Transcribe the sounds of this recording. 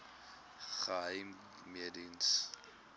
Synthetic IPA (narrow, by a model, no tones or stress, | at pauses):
χəɦəjm | miədins